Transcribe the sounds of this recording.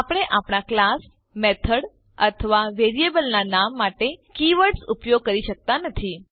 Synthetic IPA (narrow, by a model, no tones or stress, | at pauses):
apəɽ̃eʔapɽ̃aklas | met̪ʰəɽ | ət̪ʰəʋaʋeɾiebəlnanamːaʈekiʋəɽsupjoɡ̚kəɾiʃək̚t̪anət̪ʰi